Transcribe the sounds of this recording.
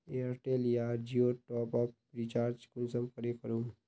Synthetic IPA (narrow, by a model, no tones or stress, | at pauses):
eːɾʈeːlijaːɾd͡ʒioːʈɔːpɔppɾiːt͡ʃaːɾd͡ʒkʊnsəmkəɾekəɾum